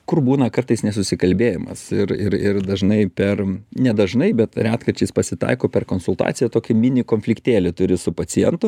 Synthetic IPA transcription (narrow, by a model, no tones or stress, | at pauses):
kʊrbuːnɐkɐrt̪ɐɪsnʲɛsʊsʲɪkɐlʲbʲeːjɪmɐ̰sɪɾɪrɪrd̪ɐʒnɐɪpʲɛrnʲɛd̪ɐʒnɐɪbʲɛt̪ɾʲæːt̪kɐɾʲt͡ʃʲɛɪspɐsʲɪt̪ɐ̰ɪkoːpʲɛrkoːnsʊlˠt̪ɑ̰ːt͡ssʲɪjɛt̪oːkʲɪmʲɪnʲɪkoːnʲfʲlʲɪkt̪ʲeːlʲɪt̪ʊɾʲɪsʊpɐt͡ssʲɪjɛnt̪ʊ